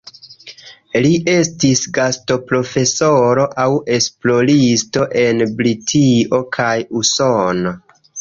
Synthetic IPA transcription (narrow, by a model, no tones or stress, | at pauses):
liʔe̞stisɡasto̞pɾo̞fe̞so̞ɾo̞ʔawe̞splo̞ɾisto̞ʔe̞nbɾitʰio̞kʰajuso̞no